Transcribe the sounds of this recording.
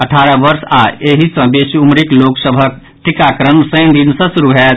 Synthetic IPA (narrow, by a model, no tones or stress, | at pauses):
əʈʰaɾəbəɾsaeɦisə̃besiumɾikloksəbʱək | ʈikakɾəmsəjnd̪insə̃sɾuɦɛ